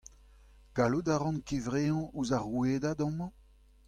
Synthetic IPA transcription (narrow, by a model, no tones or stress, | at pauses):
ɡ̥aludaʁɑ̃nkevʁeɑ̃uzaʁueːdadɑ̃mɑ̃